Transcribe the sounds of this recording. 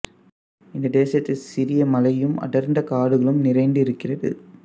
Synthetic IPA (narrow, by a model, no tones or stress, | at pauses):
ɪnd̪ɐd̪eːsjɐt̪ːɪsɪɾɪjɐmɐlɐjɯmɐ̰ɽɐɾnd̪ɐkaːɽɯɣɐɭɯmnɪɾɐɪɳɖɪɾɯkːɪrɐðɯ̰